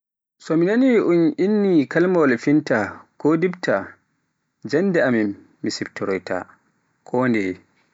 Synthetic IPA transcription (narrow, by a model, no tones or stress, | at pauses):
sɔminaniʔunʔinːikalmalfintakodibtʰa | d͡ʒanːdɛamimː | isibtɔɾɔjta̰ | kʰɔndɛ